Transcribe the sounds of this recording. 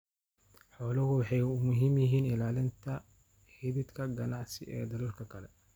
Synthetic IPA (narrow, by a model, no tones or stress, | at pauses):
ħɔːlɐɣʊwɑħɑjʊmʊɦiːmjɪɦiːnɪlaːlɪnt̪ʰɐ | hɪβɪd̪kʰɐɡɐnɑʕsɪʔɛ̰ːd̪ɐɾuːrkʰɐkʰɐlɛ